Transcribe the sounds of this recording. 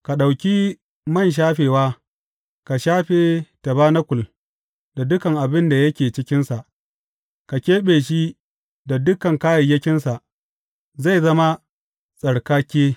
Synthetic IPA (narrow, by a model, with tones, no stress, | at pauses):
ka˨ɗa˨wkʲi˦ | mɐ˦˨nʃ̬aː˦ɸeː˨waː˦ | ka˨ʃaː˦ɸeː˨ta˨baː˦na˦kʷʊ˨l | da˨dʊ˦kɐ˨ŋʔa˨bɪ˦nda˨jɐ˦kʲeː˨t͡ʃɪ˦kʲɪ˦nsa˨ʔ | ka˨kʲeː˦ɓeː˨ʃ̬i˦ | da˨dʊ˦kɐ˨ŋka˦jɐ˨jɐ˦kʲɪ˦nsa˨ʔ | za˦˨jzɐ˦ma˦ | sʼɐ˨ɽkaː˦kʲeː˦